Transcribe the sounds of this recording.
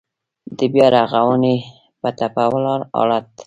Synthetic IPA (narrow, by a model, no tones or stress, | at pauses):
d̪əbjɑɾaɣawəne | pat̪apawlɑɾɑ̰lat̪